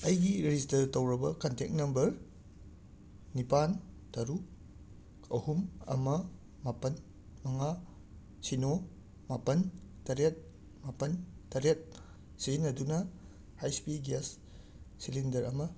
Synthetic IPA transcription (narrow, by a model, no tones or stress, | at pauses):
ɐjɡiɾistɐtowɾɐbɐkɐntʰek̚nɐmbɐɾ | nipan | tɐɾu | ɐhumɐ̰mɐ | mapɐn | mɐŋa | sino | mapɐntɐɾet̚ | mapɐntɐɾet̚ | siinːɐdunɐ | hajspiɡasː | ilindɐɾɐmɐ